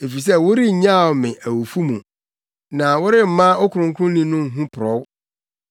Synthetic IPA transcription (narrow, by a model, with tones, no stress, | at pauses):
e˨fi˨s̬ɛ˦wʊ˦ɾi˦˨ɲã˦˨o˨mɪ̃˨ʔæ˨wo˨fu˦mũ˨ | nã˨wʊ˦ɾɪ˦m̩˨˦mã˦ɔ˦kʰʊ˨ɾʊ̃˨ŋkʰʊ̃˦lĩ˨nʊ̃˦ŋ̩˨ɦũ˦pʰɾɔ˨˦w